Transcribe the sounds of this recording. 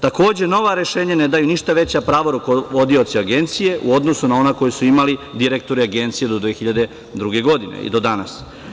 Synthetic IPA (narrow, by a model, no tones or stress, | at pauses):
t̪ako̞ːd͡ʑe̞no̞ʋaɾeʃe̞ːɲaned̪ajuniʃt̪aʋe̞t͡ɕapɾaːʋoɾukoʋod̪io̞t̪siaɡe̞nt̪sije̞ʔuo̞d̪nosunao̞nako̞jesuimalid̪iɾek̚t̪o̞ɾiaɡe̞nt̪sijed̪od̪ʋexiʎad̪e̞ | d̪ɾuɡe̞ɡo̞d̪inḛḭd̪o̞d̪anas